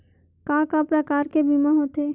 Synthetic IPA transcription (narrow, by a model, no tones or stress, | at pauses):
kãːkapɾəkaːɾkebimaɦot̪eː